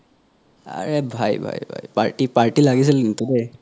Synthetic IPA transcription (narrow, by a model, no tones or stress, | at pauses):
a̰ɹebʱajbʱa̰jbʱa̰jpa̰ɹʈipaɹʈilaɡis̬ilint̪ude